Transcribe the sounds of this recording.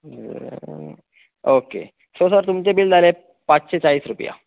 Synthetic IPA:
okḛ | sosəɾt̪umt͡sebild̪ale | pat͡sɕet͡saiːsɾupja̰

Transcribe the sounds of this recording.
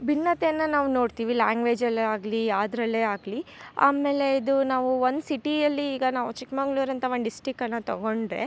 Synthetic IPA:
binːɐt̪ɛjɐnːɐnaːʋuno̞ːɽt̪iːʋilaːŋɡʋe̞ːd͡ʒɐlːaːɡliaːd̪ɾɐlːe̞ːaːɡlia̰ːme̞ːle̞id̪unaːʋuond̪siʈiɐlːiːɡɐnaːʋut͡ʃikmɐŋɡɭuːɾɐnt̪ɐʋonɖisʈɾikːɐnːɐt̪ɐɡo̞ɳɖɾe̞̰

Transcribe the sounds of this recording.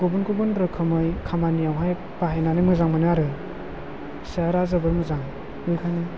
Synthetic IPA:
ɡobunkobundɾɯkʰɯmɯjkʰamanijawɦaj | baɦejnanɯmɯzaŋmɯnɯaɾɯ | saɾazabɯɾmɯzaŋ | ɯjkʰanɯ

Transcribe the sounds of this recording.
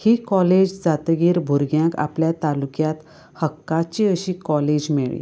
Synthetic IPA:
hiːkɔled͡ʑd͡zat̪ɡiːɾbʱuɾɡjãka̰pljat̪alukjat̪ | həkːat͡ɕiəɕiːkɔled͡ʑmiɭḭ

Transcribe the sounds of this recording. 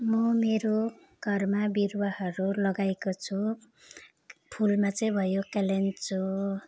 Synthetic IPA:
mʌmeɾo | ɡ̥ʱʌrmabirwaɦʌɾulʌɡajkot͡sʰu | pʰulmat͡sʌĩbʱʌjokalent͡sʰu

